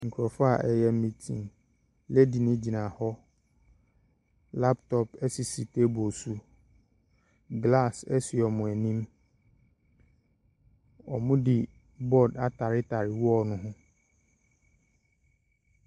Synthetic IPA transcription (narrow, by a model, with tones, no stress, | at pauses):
ŋ̩˨kʰɾɔ˨fa˨ʔɛ˨jɛ˦m̩˦mĩ˨tʰḭ̃˨ŋ | lɛ˦di˨nɪ̃˦d͡ʑi˨nã˨hɔ˦ | la˦ptʰɔ˦pɛ˦si˨si˨tʰe˦bo˨su˦ | ɡla˦˨sɛ˦sɪ˨ɔ˨mʊ̃˨æ˨nĩ˦m | ɔ˨mʊ̃˦di˨ | bɔ˦da˨tʰa˨ɾɪ˦tʰa˨ɾɪ˨wɔ˦˨nʊ̃˦ɦʊ̃˦